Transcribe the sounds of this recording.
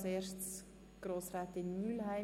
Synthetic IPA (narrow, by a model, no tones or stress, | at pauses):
seːʃts | ɡ̥roːsraːtɪnːyːlhaɪ